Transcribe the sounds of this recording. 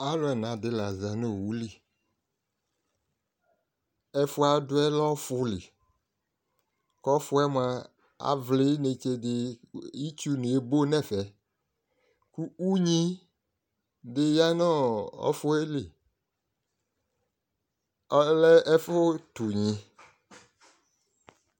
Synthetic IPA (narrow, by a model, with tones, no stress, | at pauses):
a˨˦lʊ˦ɛ˨n˨ã˨dɪ˨la˨za˨no˦˨wu˦li˦ | ɛ˦fʊ˦a˨dʊ˦ɛ˦lɔ˦fʊ˦lɪ˨ | kɔ˦fʊ˦ɛ˦m˨˦a˨ | a̰˨vlɪ˦ne˨t͡ʃe˦dɪ˦i˦t͡ʃu˦nũ˨e˨bo˦nɛ˦˨fɛ˨ | ku˦u˦ɲĩ˦ | dɪ˦ja˦nɔ˦ɔ̰˦fʊ˦e˦lɪ˨ | ɔ˨lɛ˦ɛ˦fʊ˦tu˨ɲĩ˨